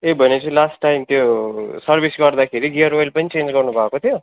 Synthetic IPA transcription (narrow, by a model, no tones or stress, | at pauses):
ebʱənet͡ʃʰilaːsʈːaimt̪josɐɾbʱisɡaɖd̪akʰeɾiɡijəɾojlpɐnit͡ʃẽːnd͡ʒkɐɾnubʱaːkot̪ʰjo